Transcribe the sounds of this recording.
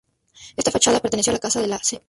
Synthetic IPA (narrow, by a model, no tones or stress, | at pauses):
est̪afat͡ʃaðapeɾt̪enesjoalakasaðelase